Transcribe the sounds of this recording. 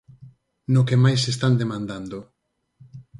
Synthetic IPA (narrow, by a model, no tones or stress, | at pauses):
nʊkemajsest̪and̪emãnd̪and̪o